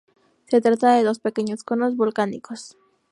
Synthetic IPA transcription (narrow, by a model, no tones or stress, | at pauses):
se̞t̪ɾat̪aðe̞ðo̞spe̞ke̞ɲo̞sko̞no̞zβulkanḭko̞s